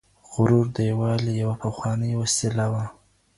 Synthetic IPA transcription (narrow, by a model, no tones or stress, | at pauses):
ɣʊɾuɾd̪əjawɑlejawapaxwɑnəjwasilawa